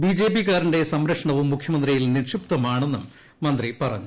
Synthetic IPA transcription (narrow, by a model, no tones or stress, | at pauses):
biːd͡ʑe̞ːpikːaːɾiɳde̞sɐmɾɐkʂɐɳɐʋumːukʰjɐmɐnd̪rijilnirʂupt̪ɐmaːɳe̞nːu | mɐnd̪ripɐrɐ̰ɲːu